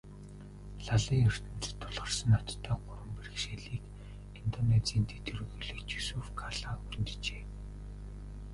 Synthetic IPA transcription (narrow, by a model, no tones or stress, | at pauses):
ɮaɮiːŋɵr̥t̪ɘ̆n̥t͡st̪ʰːʊɮʁə̆r̥sə̆nɔt͡ɕ̪t̪ʰːæːɢʊɾwə̆mperɘ̆kʃeɮiːk | int̪ɔnet͡siːnt̪ʰet̪ʰɵɾɵ̆ɣɵɮɵ̆kt͡ɕusuːfkʰaɮaːxunt̪t͡ɕeː